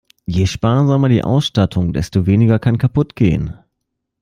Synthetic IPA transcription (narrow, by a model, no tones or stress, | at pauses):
jeːʃpaːɐzamɐdḭːʔa̰ʊsʃtatʰʊŋdɛstoveːnɪɡɐkʰankʰapʊtɡ̥ḛːə̰n